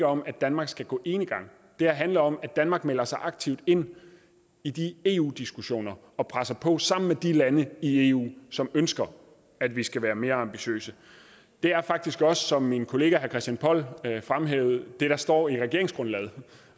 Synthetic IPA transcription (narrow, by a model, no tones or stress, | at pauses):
ɒ̽mæd̥ænmɑ̈ɡ̥sɡ̥æɡ̥ɔ̰ːʔe̝ːnəɡ̥ɑ̈ŋ̰ | d̥e̝æɐɦænləɒ̽mædd̥ænmɑ̈ːɡ̥̚mel̰ɐsɑ̈ɪʔɑ̈ɡ̥̚t͡sʰiʊd̥e̝n̰ | id̥ie̝ṵːd̥isɡ̥uɕo̝̰ːnɐ | ɒ̽pʰʁasɐpʰɒ̽sɑ̈m̰n̩med̥ilænəie̝ːṵːsɒ̽mønsɡ̥ɐ | æd̥ʋisɡ̥æʋæːɐme̝ːɐɑ̈mb̥iɕø̰ːsə | d̥e̝æɐfɑ̈ɡ̥̚d̥isɡ̥ɒ̽səsɒ̽mːinkʰo̝le̝ːɡ̥æhæɐkʰɛsd̥jænpʰɒ̽l̰fʁamɦeʊð̩ˠd̥e̝ɾ̥ɑ̈sd̥ɒ̰ːiʁɛɡe̝ɐeŋsɡ̥ʁɔ̽nlɛːð̩ˠ